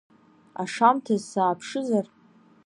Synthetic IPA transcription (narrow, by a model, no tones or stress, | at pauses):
a̰ʂamtʰazsaːpʰʂɨzar